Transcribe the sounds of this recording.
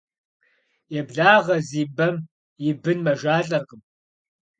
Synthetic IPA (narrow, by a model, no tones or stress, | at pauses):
jɛbɮaːʁɐziːbɐm | jɪbɨnmɐʒaːɬʼɐrʁəm